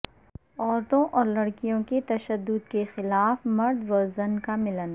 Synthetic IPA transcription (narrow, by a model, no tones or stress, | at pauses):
ɔːɾt̪õʔɔːɾlɐɽkijõket̪ɐʃəd̪ːʊd̪̚kexɪlaːfmɐɾd̪ʋɐzənkamɪlən